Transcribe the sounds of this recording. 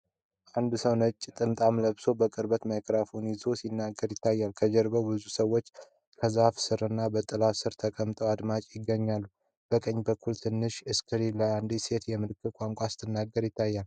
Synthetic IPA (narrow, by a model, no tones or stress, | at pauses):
ʔand̪səwnət͡ʃʼːt̪ʼɨnt̪ʼamləβso̞bəkʼɨɾbət̪məjkʼɾafunɪzo̞sinːaɡːəɾjɪt̪ʰːajːalkʰəd͡ʒəɾbəwbɨzusəwːo̞t͡ʃː | kʰəzafsɨɾɨnːabət̪ʼɨlasɨɾt̪ʰəkʼəmt̪ʼəwad̪mat͡ʃʼjɪɡːəɲːalːu | b̥əkʼəɲːbəkːult̪ʰɨnːɨʃɨskʰɨɾiləand̪ise̞t̪jɛmɨlɨkʰːɨkʼaŋkʷʼasɨ̥t̪ʰɨnːaɡːəɾjɪt̪ʰːajːal